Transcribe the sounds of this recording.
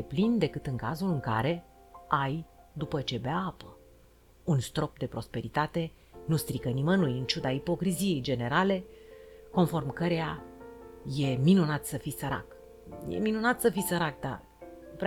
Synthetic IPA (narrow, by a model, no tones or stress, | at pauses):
eplind̪e̞kɨt̪ɨŋkazulɨŋka̰ɾe̞ | aj | d̪upət͡ʃe̞beapə | unst̪ɾo̞p̚d̪e̞pɾo̞spe̞ɾit̪at̪e̞ | nust̪ɾikənimənulɨnt͡ʃud̪aipo̞kɾizije̞jd͡ʒe̞ne̞ɾale̞ko̞nfo̞rmkəɾea | je̞minunat̪səfisəɾa̰k | jḛminunat̪səfisəɾak̚d̪a̰ | p